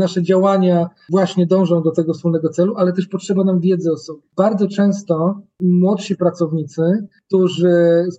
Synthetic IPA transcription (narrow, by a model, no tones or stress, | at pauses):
naʂɛd͡ʑawaɲavwaɕɲɛd̪ɔ̃w̃ʐɔ̃w̃d̪ɔt̪ɛɡɔfspulnɛɡɔt̪sɛluʔalɛt̪ɛʂpɔtʂɛbanamvʲjɛd̪zɛɔsɔbʲib̥aɾd̪zɔt͡ʂɛ̃w̃st̪ɔmwɔt̪ɕipɾat̪sɔvɲit̪sɘk̚t̪uʐɘ